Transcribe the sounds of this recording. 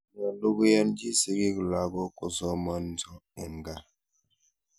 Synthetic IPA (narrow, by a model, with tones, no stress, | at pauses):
nɔ˨lu˦ɡja˦nd͡ʒi˦si˦ɡi˦kla˨ɡɔ˦ko˨sɔ˦ma˦nzɔ˦e˨ŋ˨ɡa˦